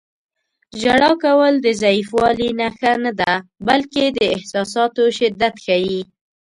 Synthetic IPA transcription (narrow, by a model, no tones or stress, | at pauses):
ʒaɽɑkawəld̪əzaifwɑlinaxanad̪abalked̪əɪhsɑsɑt̪oʃɪd̪ːat̪xawi